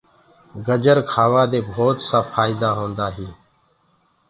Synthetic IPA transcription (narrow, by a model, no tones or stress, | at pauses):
ɡəd͡ʒəɾkʰaːʋaːd̪eːbʱoːt̪saːfaːɪːd̪aːɦõːnd̪aːɦiː